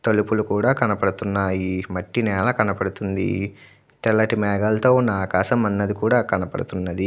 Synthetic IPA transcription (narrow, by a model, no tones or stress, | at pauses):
t̪olupulukuːɽaːkɐnɐpɐɽut̪unːaːjimɐʈːinɛːlɐkɐnɐpɐɽut̪und̪ḭ | t̪ɛlːɐʈimɛːɡɐlɐt̪oːnaːkaːʃɐmɐnːɐd̪ikuːɽaːkɐnɐpɐ̰ɽut̪unːɐd̪i